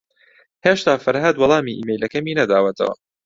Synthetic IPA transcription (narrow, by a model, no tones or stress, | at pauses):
heːʃt̪aːfɐɾɦɐd̪wɑlˠɑːmiːʔḭːmejlɐkɐmiːnɐd̪aːwɐt̪ʰɐ̰wɐ̰